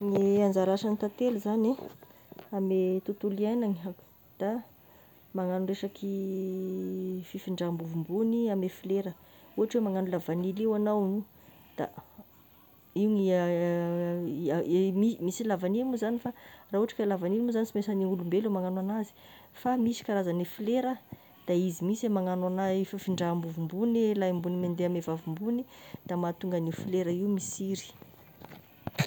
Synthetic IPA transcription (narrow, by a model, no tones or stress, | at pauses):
neand͡zaɾaʃanit̪at̪eluzane | amet̪ut̪ulianaŋḁ | d̪̥a | maŋanunreʂakʰi | fifiɳɖ͡ʐambuvumbuniamefileɾə | uɦaʈ͡ʂwemaŋanulavanilewanawnu | d̪̥a̰ | iuŋi | mimisilavanilmuzanifaraːuɦaʈ͡ʂḁkʲəlavanilmuzanisimesaniulumbelumaŋanwanazi̥ | famisi̥kaɾazanefileɾə | d̪̥aizimisemaŋananaifafiɳɖ͡ʐambuvumbunelajmbunimend̪eamevavumbunid̪̥amat̪uŋɡanifileɾəiumisiɾi̥